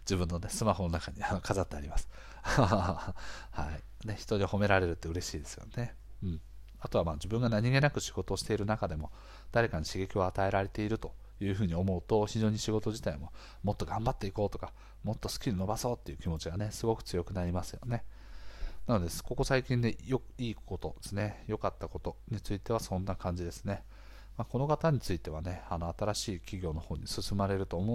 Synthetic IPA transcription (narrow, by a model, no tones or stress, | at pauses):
d͡ʑibɯ̟̃nːo̞ne̞sɨmaho̞no̞nakaɲ̟ianokazat̪ːeaɾʲimasɨ̥ | ha̰i | ne̞çi̥t̪oɲ̟iho̞me̞ɾaɾe̞ɾɯ̟t̪ːeɯ̟ɾe̞ɕiːd̪e̞sɨ̥jo̞̰ne̞ | ɯ̟̃ːɴ | at̪o̞amaːd͡ʑibɯ̟̃ŋɡanaɲ̟iɡe̞nakɯ̟ɕiɡo̞t̪o̞ːɕi̥t̪e̞iɾɯ̟nakad̪e̞mo̞ | d̪̥aɾe̞kaɲiɕiɡe̞kʲioat̪ae̞ɾaɾe̞t̪e̞iɾɯ̟t̪o̞ | jɯ̟ːɦɯ̟ːɲ̟io̞mo̞ɯ̟t̪o̞çiʑo̞ːɲ̟iɕiɡo̞t̪o̞ʑit̪aimo̞ | mo̞t̪ːo̞ɡãmbat̪ːe̞iko̞ːt̪o̞kḁ | mo̞t̪ːo̞sɨ̥kʲiɾʲino̞baso̞ːt̪ːe̞iɯ̟kʲimo̞t͡ɕiɡane̞sɨɡo̞kɯ̟̥t͡sɨjo̞kɯ̟naɾʲimasɨjo̞̰ne̞ | nano̞d̪e̞sko̞ko̞saikʲĩnd̪ejokiːko̞t̪o̞d̪esɨne̞jo̞kat̪ːako̞t̪o̞ɲ̟it͡sɨit̪e̞βasõ̞nːakãɲ̟d͡ʑid̪e̞sɨ̥ne̞ | mako̞no̞kat̪aɲ̟it͡sɨit̪e̞β̞ane̞anoat̪aɾaɕiːkʲiɡʲo̞ːno̞ho̞ːɲ̟isɨsɨmaɾe̞ɾɯ̟t̪o̞ːmo